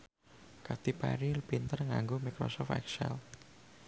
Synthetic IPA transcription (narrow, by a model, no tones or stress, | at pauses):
kat̪ipa̰ɾilpint̪ərŋa̰ŋɡomikɾɔ̰sɔft̪ɛ̰ksɛ̰l